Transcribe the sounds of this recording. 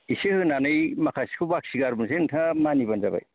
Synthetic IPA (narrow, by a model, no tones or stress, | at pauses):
isehɯnanɯjmakʰasi̥kʰɯbak̚siɡaɾmɯsentʰamanibanzaba̰j